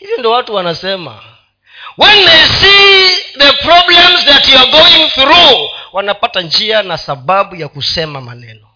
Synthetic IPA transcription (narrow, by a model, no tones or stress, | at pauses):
hivjɔndiɔwatuwanasɛma̰ | wɛnːajsiðəpɾɔblɛmzðatjɔɡoĩŋθɾuwanapatand͡ʒianasaɓaɓujakusɛmama̰nɛ̰nɔ